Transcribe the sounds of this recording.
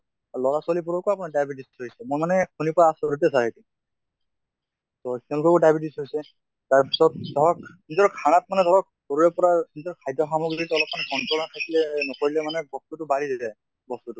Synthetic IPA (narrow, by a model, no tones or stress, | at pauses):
lɔɹasʊalipuɹɔkʊapunadajbitisɦojsɛmʊmanɛkunipɔɹaːsɹut̬ɛsaɹajti | tɔkʰɔlkɔkʊdajbitisɦojsɛ | taɹpisɔt̚dʱɔɹɔk | ĩzɔɹkʰanat̚manɛdʱɔɹɔk̚ | hoɹuɹɛpɔɹaizɔɹkʰajdɔxamɔɡiditɔlɔp̚manɛɡɔndɔlatʰakilɛnɔkoɹilɛmanɛbɔstutʊbalidizɛ | bɔstutʊ